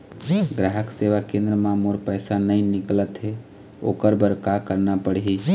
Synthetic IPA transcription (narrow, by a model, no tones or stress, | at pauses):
ɡɾaɦəkseʋakẽnd̪ɾəmãmoɾpəjsanəjniklət̪ɦe | o̰kəɾbəɾkakəɾnapəɽɦi